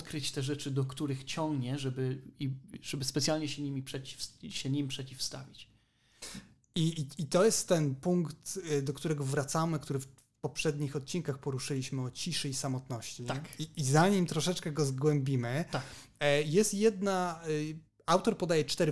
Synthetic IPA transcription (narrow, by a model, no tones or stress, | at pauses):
t̪kɾɘt͡ɕt̪ɛʐɛt͡ʂɘd̪ɔkt̪uɾɘxt͡ɕɔŋɡɲɛʐɛbɘiʐ̥ɛbɘspɛt̪sjalɲɛɕɛɲimʲipʂɛt͡ɕi̥fsɕɛɲimpʂɛt͡ɕifst̪a̰vʲit͡ɕ | iit̪ɔjɛst̪ːɛnpuŋkt̪d̪ɔkt̪uɾɛɡɔvɾat̪samɘkt̪uɾɘf | pɔpʂɛd̪ɲixɔt̪̚t͡ɕinkaxpɔɾuʂɘlʲiɕmɘɔt͡ɕiʂɘisamɔt̪nɔɕt͡ɕit̪akiːzaɲimt̪ɾɔʂɛt͡ʂkɛɡɔzɡwɛmbʲimɘt̪ajɛst̪jɛd̪na | awt̪ɔɾpɔd̪ajɛt͡ʂt̪ɛɾ